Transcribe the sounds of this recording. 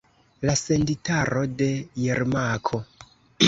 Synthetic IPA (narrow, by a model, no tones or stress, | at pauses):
lase̞nditʰaɾo̞de̞jeɾmakʰo